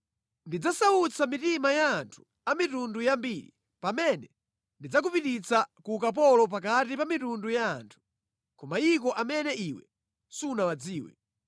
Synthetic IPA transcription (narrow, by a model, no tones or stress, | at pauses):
ndid͡zasaut͡sʰamitimajaːntʰu̥ | amitundujambiːɾḭ | pamɛnɛ | ndid͡zak̬upitit͡sakukap̬ɔlɔp̬akatipamitundujaːntʰu̥ | kɔmaik̬ɔʔamɛnɛʔiwɛ̰ | sunawad͡ziːwɛ̰